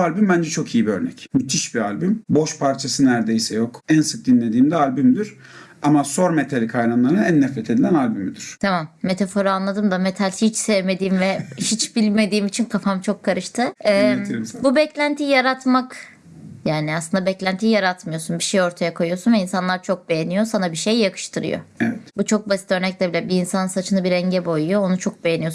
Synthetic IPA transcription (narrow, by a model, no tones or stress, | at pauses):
alʲbymbænd͡ʒɛt͡ʃʰo̞kʰijibiøɾnɛcmyt̪ʰiʃbialʲbymbo̞ʃpʰaɾt͡ʃʰasɯnæɾd̪e̞jsɛjo̞kænsɯk̚d̪inlʲe̞d̪iːmd̪ɛalʲbymd̪iɾ̥ | amaso̞ɾmet̪ʰalʲikʰajɾanlˠaɾɯnænːɛfɾɛt̪ʰe̞d̪ilʲænalʲbymid̪iɾ̥t̪ʰamamːe̞t̪ʰafo̞ɾaːnlˠad̪ɯmd̪ame̞t̪ʰalʲit͡ʃsevme̞d̪iːmvɛʃit͡ʃbilʲme̞d̪iːmit͡ʃʰinkʰafamt͡ʃʰo̞kʰːaɾɯʃt̪ʰɯɛbubɛclʲænt̪ʰijaɾat̪mak | jaːniaslˠɯnd̪abɛclʲænt̪ʰijaɾat̪mɯjo̞sunbiʃe̞jo̞ɾt̪ʰajakʰo̞jujo̞sunvɛinsanlˠaɾt͡ʃʰo̞k̚be̞je̞nijo̞sanabiʃe̞jːakʰɯ̥ʃt̪ʰɯɾɯ̰jo̰evɛt̪but͡ʃʰo̞k̚basi̥t̪ø̞ɾnɛc̚lʲɛbilʲɛbiːnsanɯnsat͡ʃʰɯnɯbiɾɛɲɟɛbo̞jujoonut͡ʃʰo̞k̚be̞jenijo̞s